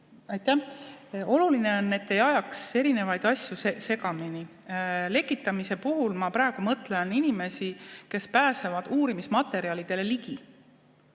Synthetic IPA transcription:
ɑjt̪ːæ | o̞luline̞o̞nːe̞t̪ːe̞jɑjɑkse̞ɾine̞vɑjd̪ɑsʲjusese̞ɡɑmini | le̞kːˑit̪ːˑɑmise̞puɦulmɑpɾæːɡ̥umɤt̪ːˑle̞ninime̞sike̞spæːse̞vɑd̪̥uːɾimismɑt̪ːˑe̞ɾiɑlid̪̥e̞le̞liɡ̥i

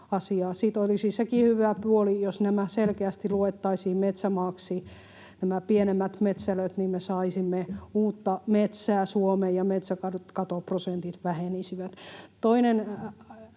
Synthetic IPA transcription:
ɑsiɑːsiːt̪olisisekihyʋæpuolijosnæmæselkeæst̪iluet̪ːɑisiːmet̪sæmɑːksi | næmæpienemːæt̪met̪sæløt̪nimesɑisimːeuːt̪ːɑmet̪sæːsuomejjɑmet̪sækɑkɑt̪oprosent̪it̪ʋæhenisiʋæt̪t̪oinen

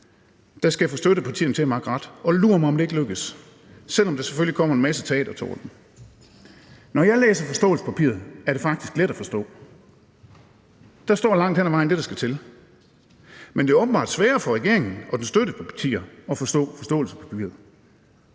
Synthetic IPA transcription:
d̥ɑsɡ̥æjafosd̥øɾəpʰɑ̈t͡sʰḭːɐn̩t͡sʰe̝æmɑ̈ɡ̥ʁɑd̥ɒ̽luɐ̰mɑ̈ɒ̽md̥ee̝ɡ̥əløɡ̥əsː | el̰ɒmd̥ese̥følikʰɒ̽m̰ɐe̝nmæsət͡sʰɛ̰ːd̥ɐt͡sʰɒ̰ːd̥em | nɒjɑ̈ɪlḛːsɐfɒ̽sd̥ɔ̰̽ːl̩sə̥pʰæpʰḭːɐðˠæɐɾ̥e̝fɑ̈ɡ̥̚d̥isɡ̥led̥æfɒ̽sd̥ɔ̰ː | d̥ɑ̈sd̥ɒ̰ːlɑ̈ŋ̰d̥henæʋɑ̈ɪnd̥e̝ɾ̥ɑ̈sɡ̥æt͡sʰe̝l | mende̝æɐɔːb̥n̩bɑ̰̈ːd̥sʋɛːɐfɒ̽ʁɛɡ̥e̝̰ɐe̝ŋn̩ʔɒ̽d̥ensd̥ød̥əpʰɒ̽pʰæ̥t͡sʰḭːɐɒ̽fɒ̽sd̥ɔ̰̽ːfɒ̽sd̥ɔ̰̽ːl̩sə̥pʰæpʰḭːɐð̩ˠ

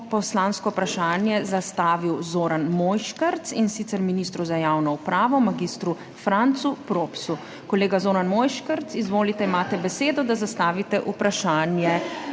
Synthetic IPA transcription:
pɔslaːnskɔwpɾaʃaːnjɛzast̪aːʋiwzoːɾanmoːjʃkəɾt̪sinsit̪sɛɾminist̪ɾuzajaːwnɔupɾaːʋɔmaɡist̪ɾu | fɾant̪supɾoːpsu | kɔleːɡazoːɾanmojʃkəɾt̪sizʋoːlit̪ɛimaːt̪ɛbɛseːd̪ɔd̪azast̪aːʋit̪ɛʔupɾaʃaːnjɛ

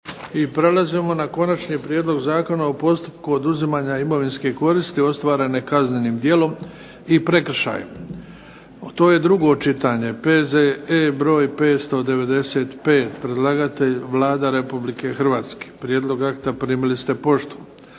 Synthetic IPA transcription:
ipɾe̞lazimo̞nako̞nat͡ʃniːpɾjeːd̪lo̞ɡzaːko̞naopo̞st̪u̥pkuod̪uzimaːɲaimo̞ʋinskeko̞ɾist̪io̞st̪ʋaːɾe̞ne̞kazne̞niːmd̪je̞lo̞m | ipɾe̞kr̩ʃa̰jḛm | t̪o̞ːje̞d̪ɾuɡo̞t͡ʃit̪aɲe̞pezeebɾo̞ːjpe̞ːt̪st̪o̞d̪e̞ʋe̞d̪e̞se̞ːt̪pe̞ːt̪pɾe̞d̪lˠaɡat̪e̞ʎʋlˠaːd̪aɾe̞publike̞xrʋaːt̪ske̥pɾjeːd̪lˠo̞ɡakt̪apɾiːmilist̪e̞po̞ʃt̪u̥

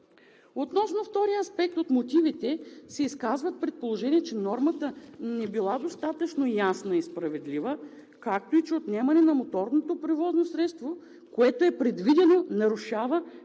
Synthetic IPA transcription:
ot̪nɔsnoft̪ɔɾijəɐspɛk̚t̪ot̪mot̪ivit̪ɛsɛiskazvət̪̚pɾɛt̪̚polˠoʒɛniɛt͡ʃɛnɔɾmət̪ənɛbilˠad̪ost̪at̪ɐt͡ʃnojasnɐispɾɐvɛd̪livə | kak̚t̪oit͡ʃɛot̪nɛmɐnɛnɐmot̪ɔɾnot̪opɾɛvɔznosɾɛt̪st̪vo | koɛt̪oɛpɾɛd̪vid̪ɛnonɐɾuʃavə

